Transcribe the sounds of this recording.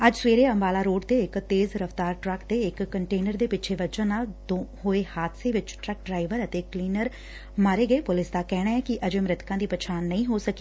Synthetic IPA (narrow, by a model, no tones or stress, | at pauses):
əd͡ʒsʋeːɾeːəmbaːlaːɾoːʈt̪eːɪkt̪eːzɾəft̪aːɾʈɾəkt̪eːɪkːəɳʈeːnəɾd̪eːpɪt͡ʃʰeːʋəd͡ʒãːnaːld̪õːɦoːeːhaːt̪seːʋɪt͡ʃʈɾək̚ɖɾaːɪʋəɾət̪eːkliːnəɾ | maːɾeːɡəeːpʊlɪsd̪aːkɛːɽaːɛːkɪʔəd͡ʒeːmɾɪt̪kãːd̪iːpət͡ʃʰaːnːəĩːɦoːsəkeː